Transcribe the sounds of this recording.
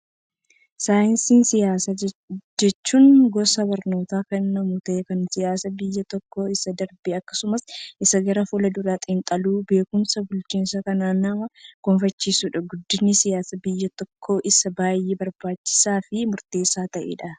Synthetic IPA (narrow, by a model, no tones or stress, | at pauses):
saːjɪnsiːnsɪjaːsɐd͡ʒɛt͡ʃːuːŋɡɔsɐbɐɾno̞ːt̪aːkɐːɐmut̪ɐʔekɐnsɪjaːsɐbɪjːɐt̪ɔkːo̞ːɪsɐd̪ɐɾbɪɐkːɐ̥sʊmɐsʔɪsɐɡɐɾɐfulɐd̪ʊɾaːt̪ʼɪnt̪ʼɐluːbe̞ːkʊmsɐbʊlt͡ʃiːnsɐkɐnaːnɐmɐkɔnfɐt͡ʃːiːsuːᶑɐɡʊd̪ːɪnːɪsɪjaːsɐbɪjːɐt̪ɔkʰːo̞ːʔɪsɐbaːjebɐɾbaːt͡ʃːɪ̥saːfɪmʊɾt̪e̞ːsːaːt̪ɐʔḛːᶑɐ